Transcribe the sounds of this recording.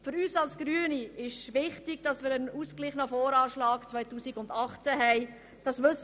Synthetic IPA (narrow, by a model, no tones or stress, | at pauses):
fʏɾyːsɑlsɡ̥ɾyəniɪʃʋɪχtɪɡ̥d̥ɑsmɪːɾənuːsklɪχnəfɔːɾɑːʃlɑːkt͡svœɪtuːsiɡʊndɑχt͡sæɦɛɪ | d̥ɑsʋɵs